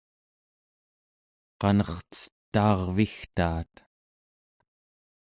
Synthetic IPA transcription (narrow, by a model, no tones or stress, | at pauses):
qɑnʌχt͡sə̥t̪ːɑːʁvixt̪aːt̪